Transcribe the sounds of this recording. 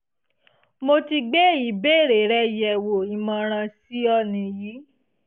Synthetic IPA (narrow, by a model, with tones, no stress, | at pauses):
mo˧ti˧ɡ͡be˦i˨˦be˦˨ɾe˨ɾɛ˧˦jɛ˨wo˨i˨mã˧ɾ̃ã˧si˦ɔ˦˨nĩ˧jiː˨˦